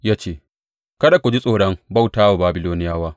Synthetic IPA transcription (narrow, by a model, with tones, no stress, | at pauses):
jaː˦t͡ʃeː˦˨ | kɐ˦da˨kʷu˨d͡ʒi˦sʼoː˨ɽɐ˦ŋba˦˨wtaː˦wa˨baː˨bɪ˦loː˦nɪ˦jaː˦waː˦